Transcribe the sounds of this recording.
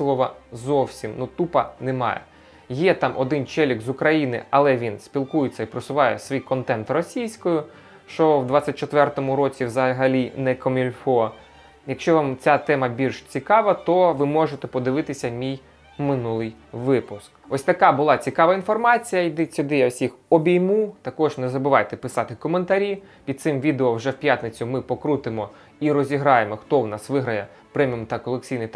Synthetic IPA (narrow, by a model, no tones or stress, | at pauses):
lˠɔʋɐzɔwsʲimnut̪upɐnɛmɑ̰jɛ̰ | jɛt̪ɑmʔɔd̪ɪnt͡ʃɛlʲikzʊkɾɐjinɪ̰ɐlˠɛʋʲinsʲpʲilˠkujet͡sʲːɐipɾɔsʊʋɑjɛsʋʲijkɔnt̪ɛnt̪rɔsʲijsʲkɔjʊ | ʃt͡ʃɔwd̪ʋɑt͡sʲːɐt̚ʲt͡ʃɔt̪ʋɛrt̪ɔmʊɾɔt͡sʲiwzɐɦɐlʲinɛkɔmʲilʲfɔ | jɐkʃt͡ʃɔʋɑmt͡sʲat̪ɛmɐbʲilʲʃt͡sʲikɑʋɐt̪ɔʋɪmɔʒet̪ɛpɔd̪ɪʋɪt̪ɪsʲɐmʲij | mɪnulˠɪj | ʋɪpʊskɔsʲt̪ɐkɑbʊlˠɑt͡sʲikɑʋɐinfɔrmɑt͡sʲijɐjd̪ɛt͡sʲʊd̪ɪjɐwsʲixɔbʲijmut̪ɐkɔʒnezɐbɪʋɑjt̪ɛpɪsɑt̪ɪkɔment̪ɐɾʲipʲid̪̚t̪sɪmʋʲid̪eɔwʒɛwpʲjat̪ʲnet͡sʲʊmɪpɔkɾut̪ɪmɔ | iɾɔzʲiɦɾɑjemɔxt̪ɔwnɑsʋɪɦɾɐjɛ | pɾɛmʲimt̪ɐkɔlˠek̚t͡sʲijnɪjt̪